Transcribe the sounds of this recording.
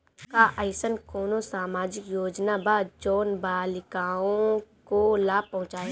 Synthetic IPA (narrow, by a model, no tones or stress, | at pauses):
kaʔəɪsənkoːnosaːmaːd͡ʒɪkjoːd͡ʒnabaːd̪̚d͡ʒɔːnbaːlɪkaːõkolaːbpɐ̃ɦʊ̃t͡ʃaːe